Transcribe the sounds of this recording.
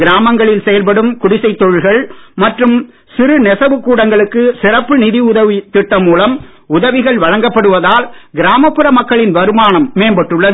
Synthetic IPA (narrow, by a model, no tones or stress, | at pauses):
ɡɪɾaːmɐŋɡɐɭɪlsɛjɐlpɐɽɯmkʊɽɪsɐɪt̪ːɔɻɯɻɣɐɭmɐʈrɯm | sɪɾɯnɛsɐʋɯkːuːɽɐŋɡɐɭɯkːɯsɪrɐpːɯnɪðiʊðɐʋit̪ɪʈːɐmuːlɐm | ʊðɐʋɪɣɐɭʋɐɻɐŋɡɐpːɐɽɯʋɐðaːlɡɪɾaːmɐpːɯɾɐmɐkːɐɭɪnʋɐɾɯmaːɳɐmːeːmbɐʈːɯɭːɐðɯ